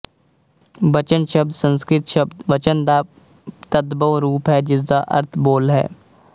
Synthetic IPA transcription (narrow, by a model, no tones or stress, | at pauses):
bət͡ʃənʃəb̚d̪sə̃nskɾɪt̪ʃəbd̪ʋət͡ʃənd̪aː | t̪əd̪bəoɾuːpɦɛːd͡ʒɪsd̪aːʔə̰ɾt̪ʰboːlɦɛ̰ː